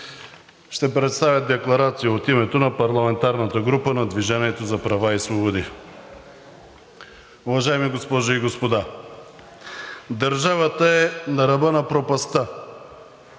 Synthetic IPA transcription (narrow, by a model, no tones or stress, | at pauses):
ʃt̪ɛpɾɛt̪st̪avjət̪d̪ɛklˠɐɾat̪sijəot̪imɛt̪onɐpɐɾlˠɐmɛnt̪aɾnət̪əɡɾupənɐd̪viʒaniɛt̪ozɐpɾɐvaisvobod̪i | uvɐʒaɛmiɡospɔʒiɡospod̪a | d̪ɐɾʒavət̪əɛnɐɾɐbənɐpɾopɐst̪a